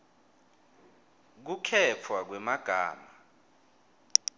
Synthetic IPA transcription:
k̬ukʰɛt͡fʰwak̬wɛmaɡ̥ʱa̰ːma

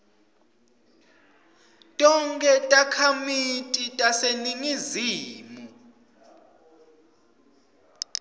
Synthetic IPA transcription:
tʼɔŋkʼɛtʼakʰamitʼitʼaseniŋiziːmu

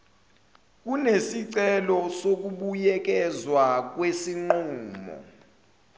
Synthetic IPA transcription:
k̬unesiǀɛlɔsok̬uɓujɛk̬ɛzwak̬wesiŋ͡ǃuːmɔ̰

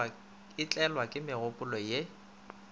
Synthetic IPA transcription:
ɪt͡ɬʼɛlwakʼɪmɪɣʊpʼʊlɔje

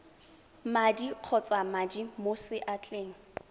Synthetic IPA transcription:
madiq͡χʰɔt͡sʼamadimosɪʔat͡ɬʼeːŋ̩

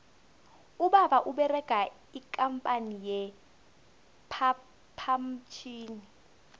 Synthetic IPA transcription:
uɓaɓaʔuɓɛrɛɡ̥ʱa | ikʼampʼanijɛ | pʰa | pʰam̩t͡ʃʰiːni

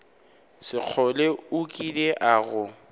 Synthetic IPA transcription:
sɪq͡χʰɔleʊkʼileʔaɣʊ

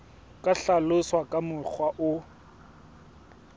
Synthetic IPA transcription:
kʼaɬalʊswakʼamʊk͡xʰwaʔʊ

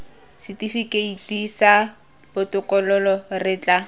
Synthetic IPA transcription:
sɪtifikeitisa | bʊtʼʊkʼɔlɔlɔrɪːt͡ɬʼa

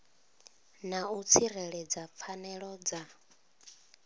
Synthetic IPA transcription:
naut͡sʰirɛɺɛd͡zap̪fʰanɛɺɔd͡za

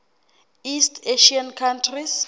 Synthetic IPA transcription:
istʰeʃiankʰantʰris

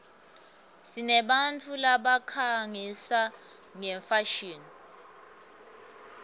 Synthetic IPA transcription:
sinɛɓant͡fʰulaɓakʰaŋisa | ŋɛɱfaʃiːn

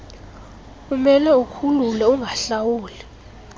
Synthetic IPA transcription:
kumɛlɛukʰululɛuŋʱaɬawuːli

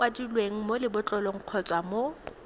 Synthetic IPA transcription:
wadilweŋ̩molɪbʊt͡ɬʼɔlɔŋ̩q͡χʰɔt͡sʼwamo

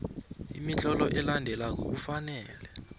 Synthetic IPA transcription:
ḭmit͡ɬɔlɔʔɛlandʱɛlak̬o̰k̬ufanɛːlɛ

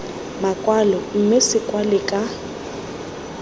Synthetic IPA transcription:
makʼwalɔm̩mɪsɪkʼwalɪkʼa

